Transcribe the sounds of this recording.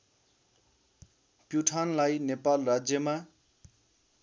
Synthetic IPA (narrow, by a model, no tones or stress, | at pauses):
pjuʈʰanlajnepalrad͡zjʌma